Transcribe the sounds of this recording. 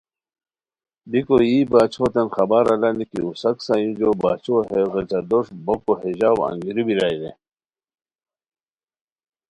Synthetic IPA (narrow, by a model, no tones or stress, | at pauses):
bikojiːbaːt͡ɕʰot̪ɐnxɐbaɾalanikḭusɐksajĩnd͡ʑobaːt͡ɕʰoɦeɣet͡ɕad̪oʂbokoheʑaːwa̰ŋɡiɾibiɾajɾḛ